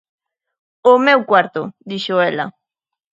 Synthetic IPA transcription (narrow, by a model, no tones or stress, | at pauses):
omewkwaɾt̪ʊd̪iʃoela̰